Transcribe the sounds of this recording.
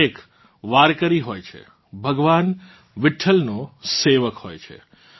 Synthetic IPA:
ek | ʋaɾkəɾiɦojt͡ʃʰḛ | bʱəɡʋan | ʋɪʈʰəlnoseʋəkho̰jt͡ʃʰḛ

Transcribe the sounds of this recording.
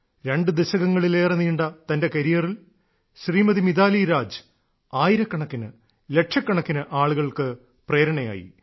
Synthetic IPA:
ɾe̞ɳɖɨd̪eɕɐɣɐŋːɐɭile̞ːrɐnːijuɳɖɐt̪ɐnde̞kɐɾijɐril | ɕriːmɐðimiðaːliːɾaːd͡ʑɨ | aːjiɾɐkːɐɳɐkːinɨ | le̞ʈʂɐkːɐɳɐkːinɨʔaːɭuɣɐɭkɨ | preːɾɐɳɐja̰ːjḭ

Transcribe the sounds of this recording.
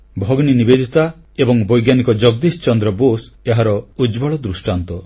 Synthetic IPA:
bʱɔɡninibed̪ʱit̪a | ebɔŋbɔjɡjanikɔd͡ʒɔɡ̚d̪ist͡ʃɔnd̪ɾɔboseɦaɾɔud͡ʒbɔɭɔd̪ɾusʈant̪ɔ

